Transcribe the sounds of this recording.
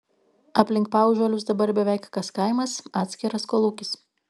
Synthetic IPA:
ɐpʲlʲɪŋkpɑˑʊʒʲoɔlʲʊs̬d̪ɐbɐɾbʲɛʋʲɛˑɪkkɐskɐɪmɐsɑːt̪ʲsʲkʲɪɾɐskoːlˠuːkʲɪs

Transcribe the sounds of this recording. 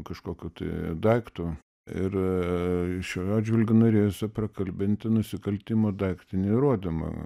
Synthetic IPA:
kɐʃkoːkʲut̪ɐ̰ɪd̪ɐɪkt̪ʊ | ɪr | ʃʲoɑːdʲd͡ʒʲʋʲɪlʲɡʲʊnoːɾʲeːjosʲɛprɐkɐlʲbʲɪnʲt̪ʲɪnʊsʲɪkɐlʲt̪ʲɪmoːd̪ɐɪkt̪ʲɪnʲɪɾoɔd̪ʲɪmɐ̰

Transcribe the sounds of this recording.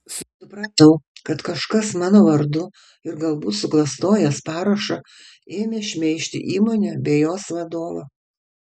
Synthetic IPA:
sʊsʊpɾɐt̪ɐʊkɐt̪kɐʃkɐsmɑːnoːʋɐɾd̪ʊ | ɪɾɡɐlˠbuːt̪sʊklˠɐst̪oːjɛspɑːɾɐʃɐ | eːmʲeːʃʲmʲɛɪʃʲt̪ʲɪ̰ʔiːmoːnʲɛbʲɛːjoːsʋɐd̪oːʋɐ

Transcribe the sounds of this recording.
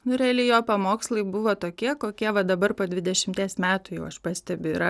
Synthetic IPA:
nʊɾʲɛɐlʲɪjoːpɐmoːkslˠɐɪbʊʋoːt̪oːkʲiɛkoːkʲiɛʋɐd̪ɐbɐrpoːd̪ʲʋʲɪd̪ʲɛʃʲɪmʲt̪ʲiɛsmʲæːt̪ʊjɛʊɐʃpɑsʲt̪ʲɛbʲʊɪɾɐ

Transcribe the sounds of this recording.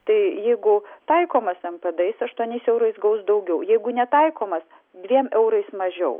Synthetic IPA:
t̪ɐɪjɛɪɡʊt̪ɐɪkoːmɐsɛmpʲɐd̪ɐɪsɐʃt̪uɔnʲɛɪsɛʊɾɐɪsɡɐʊsd̪ɐʊɡʲɛʊjɛɪɡʊnʲɛt̪ɐɪkoːmɐs | d̪ʲʋʲiɛmɛʊɾɐɪsmɐʒʲɛʊ

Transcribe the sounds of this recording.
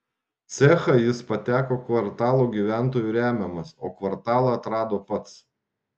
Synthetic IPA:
t̪sʲɛxɐjɪspɐt̪ʲæːkoːkʋɐɾt̪ɑːlˠoːɡʲiːʋʲæˑnt̪̬oːjuːɾʲæːmʲɛmɐsoːkʋɐɾt̪ɑːlˠɑɐt̪ɾɑːd̪oːpɐt̪s

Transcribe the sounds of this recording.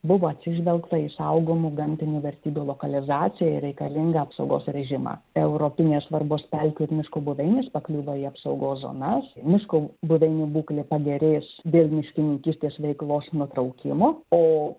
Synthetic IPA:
bʊʋoːɐt̪ʲsʲɪʒʲʋʲɛlˠkt̪ɐisɐʊɡoːmʊɡɐmʲt̪ʲɪnʲuːʋʲɛɾʲt̪ʲiːbʲulˠoːkɐlʲɪzɑːt̪t͡s̪ʲɪjɛɪ̰ɾʲɛɪkɐlʲɪŋɡɐɐpsɐʊɡoːsɾʲɛʒʲɪmɑ̰ːɛʊɾopʲɪnʲeːsʋɐɾboːspʲɛlʲkʲʊɪɾmʲɪʃkoːbʊʋʲɛɪnʲespɐklʲuːʋɐiɐpsɐʊɡoːszo̰ːnɐsmʲɪʃkobʊʋʲɛɪnʲibuːklʲepɐɡʲɛɾʲeːsd̪ʲeːlˠmʲɪʃʲkʲɪnʲɪŋʲkʲiːsʲt̪ʲeːsʋʲɛɪklˠoːsnʊt̪ɾɐʊkʲɪmoːoː

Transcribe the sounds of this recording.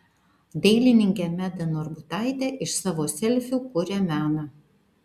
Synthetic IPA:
d̪ʲɛɪlʲɪnʲɪŋʲkʲeːmʲæd̪ɐnɔɾbʊt̪ɑˑɪt̪ʲeːʔɪʃsɑːʋoːsʲɛlʲfʲuːkʊɾʲeːmʲæːnɑ

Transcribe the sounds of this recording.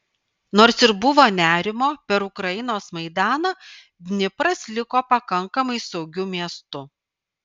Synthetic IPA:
noːɾsɪɾbʊʋoːnʲæːɾʲɪmoːpʲɛɾʊkɾɐjɪnoːsmɐɪd̪ɑːnɐ | d̪ʲnʲɪpɾɐslʲɪkoːpɐkɐŋkɐmɐɪsɒʊɡʲʊmʲiɛst̪ʊ

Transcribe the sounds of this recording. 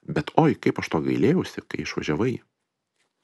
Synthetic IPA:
bʲɛt̪oːjkɐɪpɐʃt̪oːɡɐɪlʲeːjɛʊsʲɪkɐɪɪʃʋɐ̰ʒʲɛʋɐɪ

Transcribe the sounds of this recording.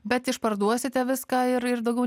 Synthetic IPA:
bʲɛt̪ɪʃpɐɾd̪uɔsʲɪt̪ʲɛʋʲɪskɑːɪɾɪɾd̪ɐʊɡʲɛʊ

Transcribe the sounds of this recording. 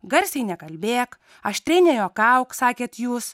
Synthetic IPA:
ɡɐɾʲsʲɛɪnʲɛkɐlʲbʲeːk | ɐʃt̪ʲɾʲɛɪnʲɛjoːkɐʊksɑːkʲeːt̪juːs

